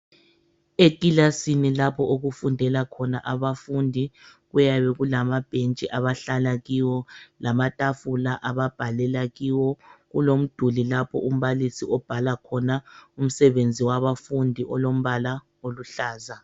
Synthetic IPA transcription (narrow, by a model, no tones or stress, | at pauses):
ekʼilasinilapʰɔʔoɣufundʱɛlakʰɔnaʔaβafundʱiɣujaβɛɣulamab̥ʱent͡ʃʼiʔaβaɬalaɣiwɔlamatʼafulaʔaβab̥ʱalɛlaɣiwɔɣulom̩d̥ʱulilapʰɔ̰ʔum̩βalisiɔb̥ʱalakʰɔnaum̩sɛβend͡zʱiwaβafundʱiʔɔlom̩βala | oluɬaːza